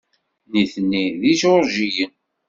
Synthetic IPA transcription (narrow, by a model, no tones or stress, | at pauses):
niθnːiðiʃoɾʒijən